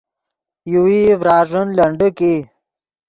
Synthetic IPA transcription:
juwivɾɑːʐənlɐɳɖəki

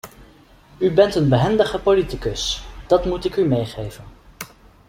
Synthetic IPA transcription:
ybɛntənbəɦɛndəχəpolitikɵsd̥ɑtmutɪkymejχejvən

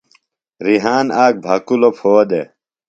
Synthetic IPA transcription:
ɾiɦaːnaːk̚bʱɐkulopʰoːd̪e

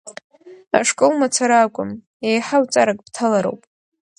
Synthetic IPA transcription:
a̰ʂkʼolmat͡sʰaɾaːkʷʼʊm | ejħawt͡sʼaɾakʼb̥tʰalaɾo̰wpʼ

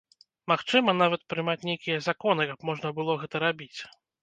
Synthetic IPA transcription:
maxt͡ʂɨmɐnavɐt̪̚pɾɨmat͡sʲnʲejkʲijɛzakɔn̪ɨkɐpmɔʐnɐbɨlˠɔɣɛt̪ɐɾabʲit͡sʲ

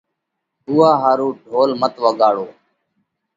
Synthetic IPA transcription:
uːaːɦaːɾũːɖʱoːlmət̪ʋəɠaːɽoː

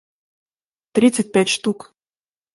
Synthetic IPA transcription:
t̪ɾʲit̪sət̚ʲpʲætʲʂt̪uk

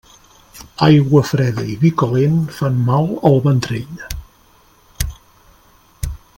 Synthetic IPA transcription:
ajɣwəfɾɛðəiβikolenfanmalˠəlˠβənt̪ɾeʎ

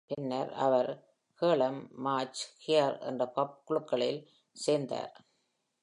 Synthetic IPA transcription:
pɪnːɐɾɐ̰ʋɐɾ | keːɭɐmːaːt͡ʃkɪjɐɾɛ̰ndrɐpɐp̚kʊɭɯkːɐɭɪl | seːɾnd̪a̰ːɾ

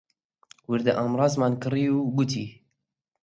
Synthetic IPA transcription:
wiɾd̪ɨʔɑːmrɑːzmɑːnkɨriːuɡut̪̬ʰḭː

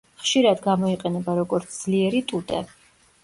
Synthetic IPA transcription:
χʃiɾad̪ɡamɔiqʼɛnɛbaɾɔɡɔɾt̪sʰd̪z̥liɛɾit̪ʼud̪ʼɛ̰

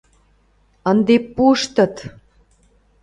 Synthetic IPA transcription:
ənd̪epuʃt̪ə̆t̪

